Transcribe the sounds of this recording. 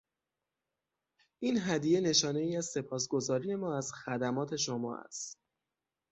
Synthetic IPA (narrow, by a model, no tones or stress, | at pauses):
ʔiːnɦæd̪ije̞ne̞ʃɒːne̞iːæz̥se̞pʰɒːs̬ɡo̞zɒːɾije̞mɒːæzxæd̪æmɒːt̪ʰe̞ʃomɒ̰ːʔæ̰st̪